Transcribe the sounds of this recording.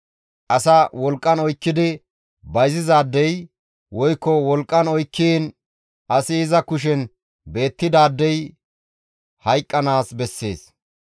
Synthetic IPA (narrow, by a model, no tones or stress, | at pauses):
ʔɐsɐwɔlkʼːɐnɔjkːɪd̪ɪ | bɐjzɪzaːd̪ːɛj | wɔjkːɔwɔlkʼːɐnɔjkːin | ʔɐsɪːzɐkʊʃ̬ɛn | be̞ːt̪ːɪd̪aːd̪ːɛj | hɐjkʼːɐnaːsbɛsːe̞̰ːs